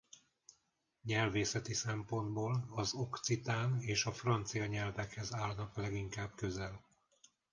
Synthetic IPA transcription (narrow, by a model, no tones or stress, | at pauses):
ɲɛlveːsɛt̪isɛmpo̞nd̪boːlɒzo̞kt̪sit̪aːneːʃɒfrɒnt̪sijɒɲɛlvɛkhɛzaːlnɒklɛɡiŋkaːb̚køzɛl